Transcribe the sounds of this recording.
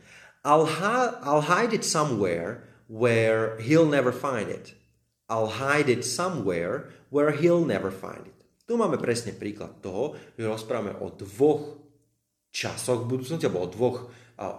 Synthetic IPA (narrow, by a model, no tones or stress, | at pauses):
ʔaɪlɦaʔaɪlˠɦaɪdɪt̪samwɛːɹ | wɛɹɦilˠnɛʋəɹfaɪndɪ̰t̪ | ʔaɪlɦaɪdɪt̪samwɛːɹwɛɹɦilˠnɛʋəɹfa̰ɪ̃ndɪt̪ | t̪umaːmɛpɾɛsɲɛpɾiːkla̰t̪ːɔɦɔʒ̥ɛɾɔspɾaːʋamɛ̰ʔɔ̰d̪ʋɔx | t͡ʃa̰sɔɣbud̪uːt͡snɔscialbɔɔd̪ʋɔx